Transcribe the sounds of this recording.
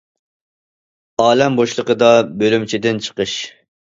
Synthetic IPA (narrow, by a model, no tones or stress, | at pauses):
ɑːlɛmboʃlˠəqəd̪ɑbølymt͡ʃʰid̪ɪnt͡ʃʰə̥qəʃ